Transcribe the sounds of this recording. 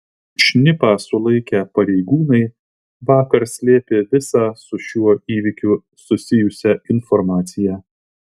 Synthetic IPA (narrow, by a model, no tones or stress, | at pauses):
ʃʲnʲɪpɑːsʊlˠɐɪkʲɛpɐɾʲɛɪɡuːnɐɪ | ʋɑːkɐɾsʲlʲeːpʲeːʋʲɪsɑːsʊʃʲuɔiːʋʲɪkʲʊ | sʊsʲɪjʊsʲɛɪnfɔɾmɑːt̪sʲɪjæː